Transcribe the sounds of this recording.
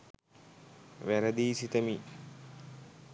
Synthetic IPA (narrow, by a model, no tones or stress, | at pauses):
ʋæɾəd̪iːsit̪əmi